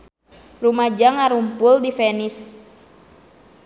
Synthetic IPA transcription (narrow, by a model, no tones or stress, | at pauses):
rumad͡ʒaŋaɾumpʊldifɛnis